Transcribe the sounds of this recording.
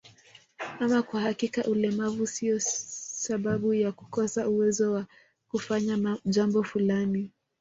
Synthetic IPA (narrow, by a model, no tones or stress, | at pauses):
amakwahakikaʔulɛmavusiɔsaɓaɓujaku̥kɔsauwɛzɔwa | kufaɲaʄambɔfulani